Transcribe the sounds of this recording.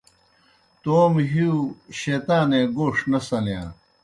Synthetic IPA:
t̪oːmɦiuɕeːt̪aːnẽɡoːʂnɐsɐljã̰ː

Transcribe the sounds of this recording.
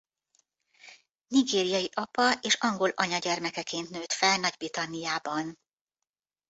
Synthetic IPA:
niɡeːɾijɒjiʔɒpɒeːʃɒŋɡo̞lʔɒɲɒɟɛrmɛkɛkeːnt̪nøːt̪fɛlnɒɟbrit̪ɒnːijaːbɒn

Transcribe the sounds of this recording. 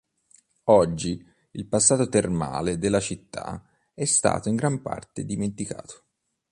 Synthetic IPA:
ɔd͡ʒːi | ilpasːaːt̪ot̪erma̰ːled̪elːat͡ʃit̪ːa̰ | ɛst̪a̰ːt̪oiŋɡɾampa̰rt̪ed̪iment̪ika̰ːt̪o̥

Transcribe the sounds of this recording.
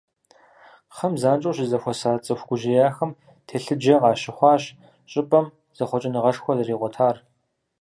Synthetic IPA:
χɐmzaːnt͡ʃʼuwɕɪzɐxʷɔsaːt͡sʼɐxʷɡʷʊʒɪjaːxɐm | tʰeːɬɨd͡ʒɐʁɑːʃɪχʷɑːɕ | ɕʼɪpʼɐm | z̥ɐχʷɔt͡ʃʼɪnɨʁɐʂxʷɔzɐriːʁʷɔtʰaːr

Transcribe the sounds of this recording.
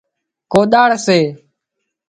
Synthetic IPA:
koːɗ̪aːɽseː

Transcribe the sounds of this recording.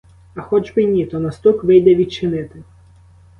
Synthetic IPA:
ɐxɔd͡ʒbɪnʲit̪ɔnɐst̪ukʋɪjd̪ɛʋʲid̪̚t͡ʃɪnɪt̪ɪ

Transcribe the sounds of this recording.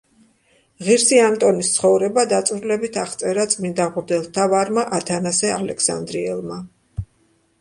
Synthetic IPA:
ʁiɾsiamt̪ʼɔnist̪sʰχɔvɾɛbad̪at̪sʼvɾlɛbit̪ʰaχt̪sʼɛɾat̪sʼmind̪aʁuɾd̪ɛlˠt̪ʰavaɾmaʔat̪ʰanasɛalɛkʰsa̰nd̪ɾiɛlˠma

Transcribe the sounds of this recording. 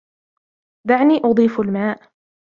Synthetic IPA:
d̪aʕniːʔʊd̪ˤiːfalmaːʔ

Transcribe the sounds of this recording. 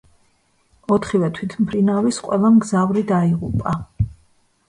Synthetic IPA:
ɔt̪ʰχivɛt̪ʰwit̪ʰmpʰɾinavisqʼwɛlˠamɡzavɾid̪aiʁṵpʼa

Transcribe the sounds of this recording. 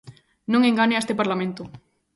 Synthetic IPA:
nõŋeŋɡaneest̪epaɾlamẽnt̪ʊ

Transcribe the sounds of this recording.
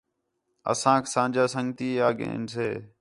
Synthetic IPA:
ə̰sãːkʰsãːd͡ʒaːsəŋɡt̪iːaːɡḛ̃ːnseː

